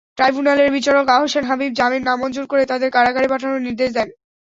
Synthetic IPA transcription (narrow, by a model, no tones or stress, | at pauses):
ʈɾajbʱunaleɾbit͡ɕaɾokaɦoʃenɦabib̚d͡ʑaminnamːɔnd͡ʑoɾkoɾet̪ad̪eɾkaɾaɡaɽipaʈʰanoniɾd̪eʃ̬d̪ɛn